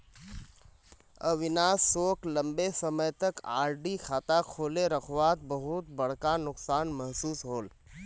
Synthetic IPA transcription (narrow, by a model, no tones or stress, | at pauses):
ə̰ʋɪnaːsːoːklɐ̃mbesɐməjt̪ɐkaːɾɖikʰaːt̪akʰoːleɾɐkʰʋaːt̪̚bɐɦʊt̪bɐɽ̤kanʊksaːnmɐɦsuːsɦoːl